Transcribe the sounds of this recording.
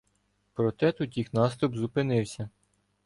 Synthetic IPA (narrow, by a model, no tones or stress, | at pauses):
pɾɔt̪ɛt̪ut̪ʲixnɑst̪ʊbzʊpɪnɪwsʲɐ